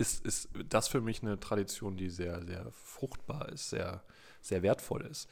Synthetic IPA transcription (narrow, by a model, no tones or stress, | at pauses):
ʔɪstʔɪstd̥asfyːɐmɪçnətʁ̥aɾit͡sjoːndiːzeːɐzeːɐ | fʁ̥ʊxt̚b̥aːɐɪ̰stz̥ḛːɐ | z̥eːɐveːɐtfɔ̰lɪ̰st